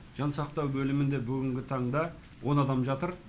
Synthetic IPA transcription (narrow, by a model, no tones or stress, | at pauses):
ʒ̥ɑnsɑq̚t̪ɑwbɵlɪmɪnd̪e̞bʏɡʲɪŋɡʲɪt̪ʰɑɴd̪ɑ | wʔo̞nɑd̪ɑmʒɑt̪əɾ